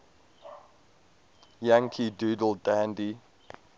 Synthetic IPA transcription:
jãŋkʰiduːdəl̩ˠdãndi

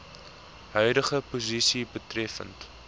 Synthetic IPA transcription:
ɦœɥdəχəpuzisibətrɛfə̰nt

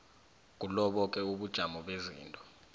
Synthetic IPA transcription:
k̬ulɔɓɔkʼɛuɓud̥ʒ̥ʱamɔɓezḭːntʼɔ̥

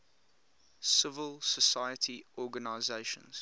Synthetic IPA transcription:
sɪvəlˠsəsaɪətʰiʔɔːɡənaɪzeɪʃə̰̃nz̥

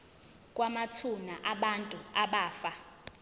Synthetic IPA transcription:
kʼwamatʰunaʔaɓantʼuaɓaːfa

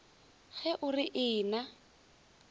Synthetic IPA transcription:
ɣɛʔʊrɪʔɪːna

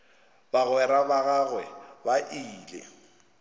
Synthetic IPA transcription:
baɣwɛɾabaɣaɣwɛbaʔiːlɛ̰

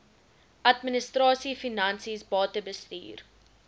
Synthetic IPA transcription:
ʔɐtminəstrɑːsifinɐnsisbɑːtəbəsty̰ːr

